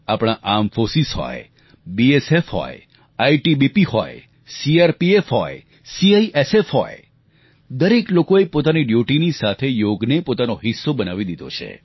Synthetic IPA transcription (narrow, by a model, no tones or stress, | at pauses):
apɽ̃aʔamfosisɦɔ̰j | biesefhɔ̰j | aiʈibipihɔ̰j | siaɾpiefɦɔj | siaiʔesefɦɔ̰j | d̪əɾeklokoepot̪aniɖjuʈinisat̪ʰejoɡnepot̪anoɦisːobənaʋid̪id̪ʱo̰t͡ʃʰḛ